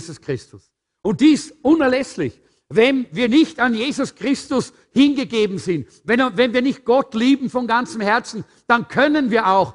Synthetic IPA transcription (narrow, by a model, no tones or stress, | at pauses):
zʊskʁ̥ɪstʊs | ʔʊnt̚d̥iːɪstʔʊnɛɐlɛslɪç | vɛnviːɐnɪçtanjeːzʊskʁ̥ɪstʊs | hɪnɡəɡeːbm̩zɪnt | vɛnvɛnviːɐnɪçt̚ɡ̥ɔtliːbm̩fɔnɡant͡sm̩hɛɐt͡sn̩ | d̥ankʰœnənviːɐaʊx